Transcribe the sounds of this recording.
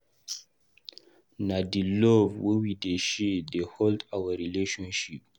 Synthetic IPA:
nadilovwiwideʃideholdawəɾileʃɔ̃nʃip̚

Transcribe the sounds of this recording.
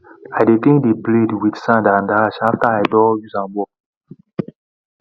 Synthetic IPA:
ajdetĩŋkdebledwidsãndãndaʃaftaajdɔjuzãmbɔ

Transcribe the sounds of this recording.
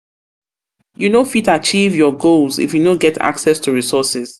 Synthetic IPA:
junofitat͡ʃivjɔɡolzḭfjunoɡɛtʰa̰ksɛstʰuɹisɔsɪz̥

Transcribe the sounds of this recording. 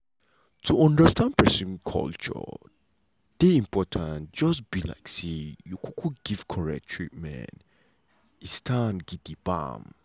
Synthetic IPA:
tʰuɔ̃ndəstʰãnpʰɛsɔ̃nkʰɔ̰lt͡ʃə̰ | d̥eĩmpʰɔtʰãnd͡ʒɔsbila̰ɪksijukʰukʰuɡ̥ivkʰɔɹɛ̰k̚tʰɹit̚mɛ̰̃n | istʰãnɡidibã̰m

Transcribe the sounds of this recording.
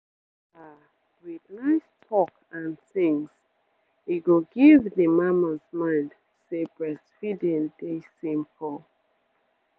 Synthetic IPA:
a | wiðnaɪstʰɔk | ãnθĩŋs | iɡoɡivðəmamazmãɪ̃nd | sebɹɛsfidɛ̃ndesĩmpʰɔ

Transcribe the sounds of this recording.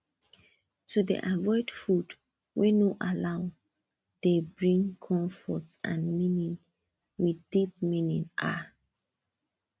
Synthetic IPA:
tʰudḭʔavɔɪdfud | wʔɛnoʔalaʊ | debɹĩŋkʰɔ̃ɱfɔtã̰nmĩnĩn | wiθdip̚minĩna

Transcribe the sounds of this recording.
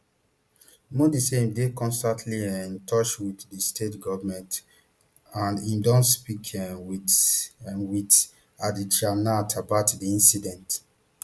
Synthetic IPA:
modiseĩmdekɔ̃nstãntʰliɛ̃ntʰɔt͡ʃwiθdistʰetɡɔvmɛ̃nt | ãnĩmdɔ̃nspikʰɛ̃wi | wit | adid͡ʒanatʰabaʊtdiĩnsidɛ̃nt

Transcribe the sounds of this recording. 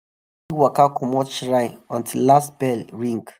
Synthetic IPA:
iwɔkakʰɔmɔtʃɹãɪnɔ̃ntʰillastbɛlɹĩŋɡ

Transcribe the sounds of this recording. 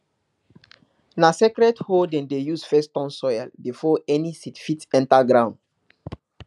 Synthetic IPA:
nasɛkɾɛdhodɛ̃ndejusfɛstɔ̃nsɔjɛlbifɔɛnisitfitɛ̃ntaɡɹãʊ̃nd

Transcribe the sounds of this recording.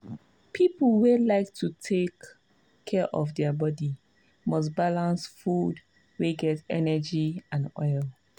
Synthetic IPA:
pʰipl̩welaɪktʰutʰekʰː | ɛʔɔfdɛəbɔdi | mɔs̬balãnsfud | weɡɛtɛnɛd͡ʒiãnɔ̰ɪl

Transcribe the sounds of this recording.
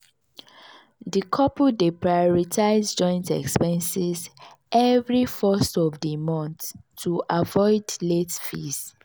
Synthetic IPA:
dikʰɔpudepɹajɔɹitʰaɪzd͡ʒɔ̃ɪ̃ntɛ̰kspɛ̃nsiz | ʔɛvɹifɜstɔvdimɔ̃nθtʰːuʔavɔɪdletfḭs

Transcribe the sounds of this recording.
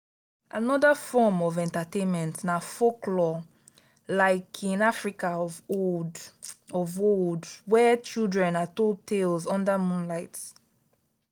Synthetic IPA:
ʔanɔdəfɔmɔvɛ̃ntatẽnmɛ̃ntnafoklɔ | laɪkʰĩnafɹikaɔvodɔvoldwɛt͡ʃilˠdɹɛ̃natod̚tʰelzɔ̃ndəmũnlaɪt

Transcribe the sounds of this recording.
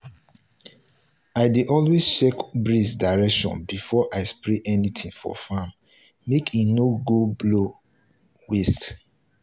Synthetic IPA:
aɪdeʔɔlwezt͡ʃɛkbɹisdaɹɛkʃɔ̰̃nbifɔʔaɪspɹeʔɛnitʰĩŋfɔ̰famː | ekʰinoɡoblo | west

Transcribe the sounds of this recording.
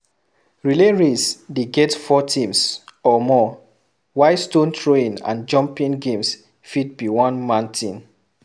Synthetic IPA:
ɹileɹisdeɡɛtfɔtʰĩmsɔmɔ | waɪstõntʰɹoĩnã̰nd͡ʒɔ̃mpĩŋɡẽms | fit̚biwɔ̃nmãntʰĩn

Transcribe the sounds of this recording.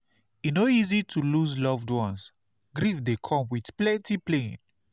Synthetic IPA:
inoizitʰuluzlɔvdwɔ̃ns | ɡɾifdekʰɔ̃mwidplɛ̃ntiplẽn

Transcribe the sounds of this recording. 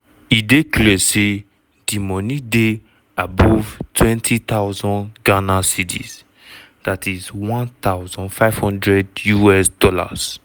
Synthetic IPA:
ideklɛse | d̥imɔnide | abɔvtʰwɛ̃ntʰit̪aʊzɔ̃nɡanasitʰḭz̥ | d̥atizwãnt̪aʊzɔ̃nfaɪv̥hɔ̃ndɹɛdjuɛsdɔla̰s

